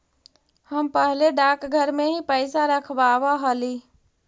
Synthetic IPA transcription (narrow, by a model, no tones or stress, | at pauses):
həmpəɦleɖakɡʱəɾmeɦĩpəɪsaɾəkʰbaʋaɦəli